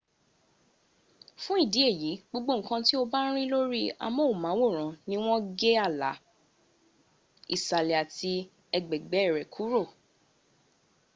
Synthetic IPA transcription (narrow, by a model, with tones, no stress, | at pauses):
fũ˦i˦˨di˨˦e˦˨ji˨˦ɡ͡bo˧ɡ͡bo˦ŋ̩˨˦kã˧ti˦o˧ba˦ɾ̃ĩ˦lo˦ɾi˦a̰˧mõ˦˨mã˨˦wo˦˨ɾ̃ã˨˦nĩ˧˦w̃ɔ̃˦ɡe˦a˦˨la̰˨˦ | i˨sa˨lɛ˨a˨ti˧ | ɛ˧ɡ͡bɛ˨ɡ͡bɛ˨˦ɛ˦˨ɾɛ˨kʰu˨˦ɾo˦˨